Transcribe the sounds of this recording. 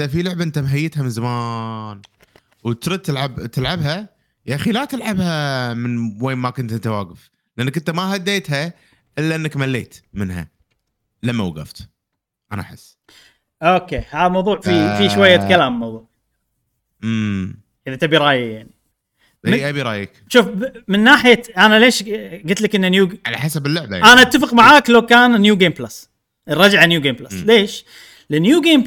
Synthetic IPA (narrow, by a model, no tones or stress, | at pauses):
afilʊʕbaʔɪnt̪amɦajːɪt̪hamɪnzamaːn | wt̪ɾˤɑt̪ːɪlʕabt̪ɪlʕabɦa | jaxilaːt̪ɪlʕabhamɪnweːnmakʊnt̪ʔɪnt̪awaːɡɪf | lɪʔanːakɪnt̪amahad̪ːeːt̪ɦa | ʔɪlːaʔɪnːakmalːḛːt̪mɪnɦa̰ | lamːawaɣa̰ft̪ | ʔanaʔaħɪ̰sː | ʔoːkeːhaːðamɑwðˤuːʕfifiʃwajːakalaːmːɑwðˤuːʕ | ʔəðat̪abiɾˤɑːjajaʕni | ʔabiɾˤɑ̰ːjikʃuːfmɪnːaːħɪjaʔanaleːʃɡɪt̪lakʔɪnːanjuːʕa̰la̰ħasabɪlːʊʕbajaʔanaʔat̪ːafɪqmaʕaːklawkaːnnjuːɡeːmblas | ʔrˤɑd͡ʒaʕanjuːɡeːmblasleːʃ | lɪnjuːɡeːm